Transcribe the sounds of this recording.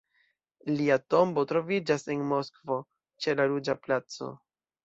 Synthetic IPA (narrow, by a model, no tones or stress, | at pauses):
liato̞mbo̞tɾo̞vid͡ʒase̞nmo̞skvo̞ | t͡ʃe̞laɾud͡ʒaplat͡so̞̰